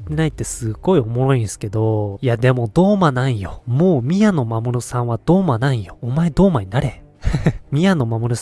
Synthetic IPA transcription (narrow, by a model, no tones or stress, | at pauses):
t̪ːe̞nait̪ːe̞sɨɡo̞io̞mo̞ɾo̞ĩsɨ̥ke̞d̪o̞iad̪e̞mo̞d̪o̞ːmanaijo̞moːmʲiano̞mamoɾosãɰ̃βad̪̥o̞ːmanaijo̞ːmae̞d̪o̞ːmaɲ̟inaɾe̞ | mʲiano̞mamoɾos